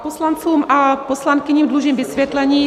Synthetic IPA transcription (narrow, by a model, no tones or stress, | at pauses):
poslant͡suːmaposlankɪɲiːmdluʒiːmvɪsvʲjɛt̪lɛɲiː